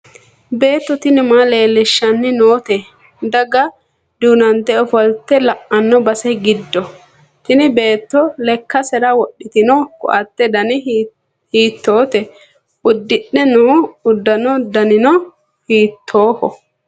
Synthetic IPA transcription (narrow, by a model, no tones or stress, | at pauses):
be̞ːt̪ːɔt̪ɪnɪmaːle̞ːlːɪʃːɐnːɪnoːt̪ɛ | d̪ɐɡɐ | d̪uːnɐnt̪ːɛɔfɔlt̪ːɛlɐʔɐnːɔbɐsɛɡɪd̪ːɔ | t̪ɪnɪbe̞ːt̪ːɔlɛkːɐsɛɾɐwɔɗːɪt̪ɪnɔkʊ̰ʔɐt̪ːɛd̪ɐnɪ | hiːt̪ːoːt̪ɛ | ʊd̪ːɪɗɛnuːʊd̪ːɐnɔd̪ɐnɪnɔ | hiːt̪ʰːo̞ːhɔ